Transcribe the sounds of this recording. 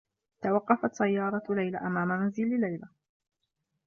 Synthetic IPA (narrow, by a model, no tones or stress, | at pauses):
t̪awɑqːɑfat̪sajːɑːɾˤɑlajlaʔamaːmamanzilɪlajla